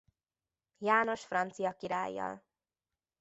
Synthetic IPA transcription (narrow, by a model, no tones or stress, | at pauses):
jaːno̞ʃfrɒnt̪sijɒkiɾaːjːɒ̰l